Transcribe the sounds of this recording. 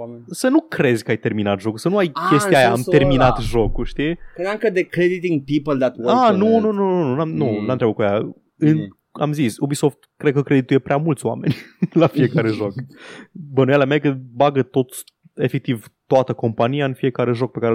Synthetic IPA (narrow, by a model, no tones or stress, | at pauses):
sənukɾe̞zʲkəajt̪e̞rminat̪ʒo̞kusənuajkʲe̞st̪iajaame̞rminat̪ʒo̞kuʃt̪inŋkəd̪ekɾed̪it̪ĩŋpipəld̪æt̪wanunununununamnunamt̪ɾabəkuaja | ɨn | a̰mzisobiso̞ft̪kɾed̪̚kəkɾed̪it̪uje̞pɾʲeamult̪sʲoa̰me̞nʲlafie̞kaɾe̞ʒo̞k | bənujalamekəbaɡət̪o̞t̪sʲ | e̞fe̞k̚t̪ivt̪oat̪əko̞mpanijaɨnfie̞kaɾe̞ʒo̞k̚pe̞kaɾe